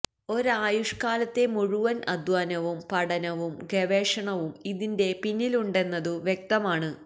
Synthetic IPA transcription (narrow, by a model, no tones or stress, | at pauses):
o̞ɾaːjuʂkaːlɐt̪ːe̞muɻuʋɐnʔɐ̰d̪ʋaːnɐʋumpɐɽɐnɐʋumɡeʋeːʂɐɳɐʋumiðinde̞pinːiluɳɖe̞nːɐðɨʋje̞k̚t̪ɐmaːɳɨ